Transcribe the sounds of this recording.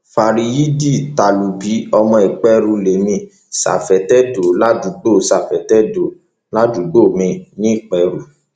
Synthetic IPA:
fa˧˨ɾi˧ji˦di˦˨ta˨lu˨bi˨˦ɔ˧mɔ̃˧i˨k͡pɛ˧˦ɾu˧le˨mĩ˧˨ | sa̰˨fɛ˨tɛ˦do˨la˦du˨˦ɡ͡bo˦˨˦sa˨fɛ˨tɛ˦do˨˦ | la˦du˨˦ɡ͡bo˦˨mĩ˧˨nĩ˦i˦˨k͡pɛ˨˧ɾu˨

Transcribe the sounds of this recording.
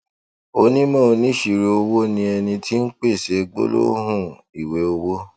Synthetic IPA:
o˦nĩ˦mã˦o˧nĩ˦ʃi˨ɾe˧o˧wo˦nĩ˧ɛ˧nĩ˧tʰi˦n̩˦k͡pe˦˨ʃe˨˦ɡ͡bo̰˦lo̰˦ɦũ˦˨ | i˨we˨˦o˧wo˦

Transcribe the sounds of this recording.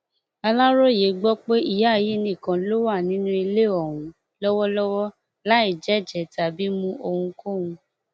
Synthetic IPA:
a˧la˦ɾo˦˨je˨˦ɡ͡bɔ˦k͡pe˦i˧ja˦˨ji˨˦nĩ˦˨kã˨lo˦wa˦˨nĩ˨˦nũ˦i˧le˦˨ɔ˨wũ˨˦ | lɔ˦wɔ˦lɔ˦wɔ˦ | la˦i˦˨d͡ʒɛ˨˦˨d͡ʒɛ˨ta˨bi˨˦mũ˦ʔo˧hũ˧ko˦˨hũ˧

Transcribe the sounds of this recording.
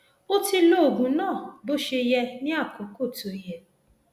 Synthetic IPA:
o˦ti˦no˦˨ɡũ˨nɔ̃ː˦˨bo˦ʃe˧jɛ˦nɪ̃˦a˦˨ko˨ko˦˨to˨i˦ɦe˦

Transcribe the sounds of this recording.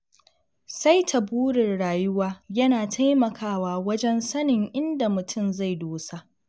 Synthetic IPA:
sa˦jtʰa˨buː˦ɽɪ˨rɽaː˨jʊ˦waː˦jɐ˦naː˨tʰa˦jmɐ˨kʰaː˦waː˦wɐ˦d͡ʒɛ˦nsɐ˦nɪ˨ŋʔɪ˦nda˨mʊ˨tʰʊ˦˨mza˦˨jdoː˦sa˦ʔ

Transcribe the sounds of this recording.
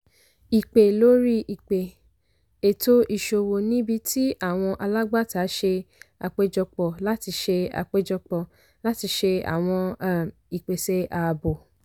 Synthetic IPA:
i˨k͡pe˨lo˦ɾi˦i˨k͡pe˨ | e˨to˦ʔi˦˨ʃo˧wo˨nĩ˨˦bi˧tʰi˦a˦˨w̃ɔ̃˧ʔa˧la˦ɡ͡ba˦˨ta˨˦ʃe˧a˧k͡pe˦d͡ʒɔ˧k͡pɔ˨la˦ti˧ʃe˧a̰˧k͡pe˦d͡ʒɔ˧k͡pɔ˨ | la˦ti˧ʃe˧a̰˦˨w̃ɔ̃˧˨ | i˨k͡pe˨se˨˦a˧bo˨

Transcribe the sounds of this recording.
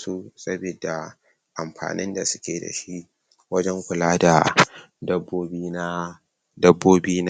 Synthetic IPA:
su˦sɐ˦be˨da˨ | ʔa˨mɸa̰ː˨nɪ˦nda˨sʊ̥˦kʲeː˨da̰˨ʃi˦ʔ | wɐ˦d͡ʒɛ˦ŋkʷʊ˨laː˦da˨ | dɐ˦bːoː˦biː˦n˦ | dɐ˦bːoː˦biː˦n˦

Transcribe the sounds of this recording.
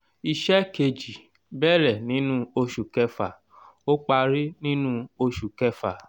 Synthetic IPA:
i˧ʃɛ˦ke˧d͡ʒi˨ | bɛ˦˨ɾɛ˨nĩ˨˦nũ˦o˧ʃu˨kɛ˦fa˨ | o˦k͡pa˧ɾi˦nĩ˦nũ˦o˧ʃu˨kɛ˦fa˨

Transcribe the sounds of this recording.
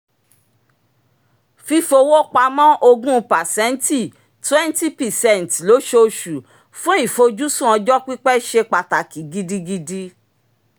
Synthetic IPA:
fi˧fo˧wo˦k͡pa˧mɔ̃˦ʔo˧ɡũ˦˧pa˨sɛ˨˦n˦ti˦˨ | twɛ̃˦n˦ti˦pi˨sɛ̃˦˨n˨tlo˨˦ʃo˧ʃu˨ | fũ˦i˦˨fo˧d͡ʒu˦sũ˦ɔ̃˧d͡ʒɔ˦k͡pi˦k͡pɛ˦ʃe˧k͡pa˧ta˨ki˨˦ɡi˧di˧ɡi˧di˦

